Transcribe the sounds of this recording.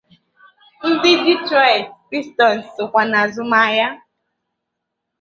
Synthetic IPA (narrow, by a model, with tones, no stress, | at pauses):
n̩˦dɪ˦di˦tɾɔ˨jtkɾi˦stɔ˨n̩˨sʊ˨kʷa˨na˨zʊ˦ma˦ja˦